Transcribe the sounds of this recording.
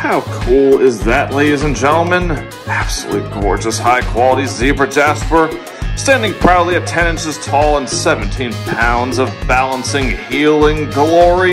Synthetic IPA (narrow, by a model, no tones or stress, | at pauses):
haʊkʰulˠɪzðɨʔˡleɪɾizɨ̃nd͡ʒɛ̃nl̩ˠmɨ̃n | æb̥sə̰lṵtɡɔ̰ɹd͡ʒɨshaɪkʰw̥ɑlˠəɾizzivə˞d͡ʒæspə˞ | stæ̃ndɪ̃ŋpʰɹ̥aʊtˡlˠiɨtʰɛ̃ñɨ̃nsɨz̥tʰɔlˠə̃nsɛṽn̩tʰĩnpʰãʊ̃ndzʌvbælˠə̃nsɪ̃ŋhilˠɪ̃ŋɡlɔɹi